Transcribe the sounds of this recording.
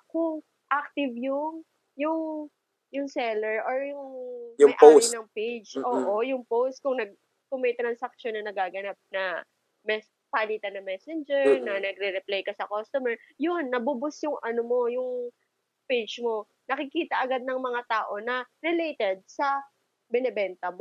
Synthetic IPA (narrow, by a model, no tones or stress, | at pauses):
kʊŋ | ʔak̚t̪ɪvjʊŋ | jʊŋ | jʊŋsɛlɛɹʔoɹjʊŋjʊɐjʔaoɪnɐŋpejd͡ʒʔoːʔojʊŋpowst̪̚kʊŋnɐɡ̚ | kʊŋmɐjt̪ɾɐnsɐk̚ʃonːɐnɐɡaːɡɐnap̚nɐ | mɛs | paliːt̪ɐnɐŋmɛsɛnd͡ʒɛɹnɐnɐɡɾɛɾɛplajkɐsɐkost̪ʊmɛɹjʊnːɐbʊbʊsjʊŋʔɐnomo̞jʊŋ | pejd͡ʒmo̞ | nɐkɪkiːt̪ɐʔɐɡad̪̚nɐŋmɐŋat̪aːʔo̞nɐɾɛlejt̪ɛd̪̚sɐ | bɛnɛbɛnt̪ɐmo